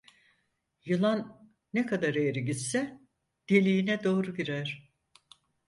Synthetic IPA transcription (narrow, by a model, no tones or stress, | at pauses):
jɯlˠanː | ɛkʰad̪aɾejɾiɟit̪sɛ | d̪̥elʲijinɛd̪o̞ːɾuɟiɾæɾ̥